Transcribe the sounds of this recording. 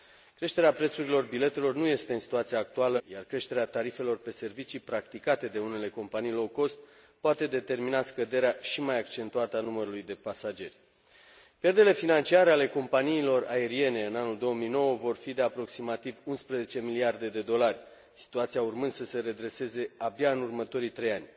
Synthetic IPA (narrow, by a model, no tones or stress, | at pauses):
kɾe̞ʃt̪e̞ɾeapɾe̞t̪suɾilo̞rbile̞t̪e̞lo̞rnuje̞st̪eɨnsi̥t̪uat̪siaːk̚t̪ualəjarkɾe̞ʃt̪e̞ɾeat̪aɾife̞lo̞rpe̞se̞rvit͡ʃipɾakt̪ikat̪e̞d̪e̞une̞le̞ko̞mpanijlo̞ko̞st̪̚ | poat̪e̞d̪e̞t̪e̞rminaskəd̪e̞ɾeaʃimajakt͡ʃe̞nt̪uat̪əanuməɾulujd̪e̞pasad͡ʒe̞rʲ | pjerd̪e̞le̞finant͡ʃiaɾeale̞ko̞mpaniːlo̞rae̞ɾie̞ne̞ɨnanuld̪o̞womijno̞wəvo̞rfid̪e̞apɾo̞ksimat̪ivunspɾeze̞t͡ʃe̞miliard̪e̞d̪e̞d̪o̞larʲ | si̥t̪uat̪siaurmɨnd̪səse̞ɾe̞d̪ɾe̞se̞ze̞abjaɨnurmət̪o̞ɾijt̪ɾe̞janʲ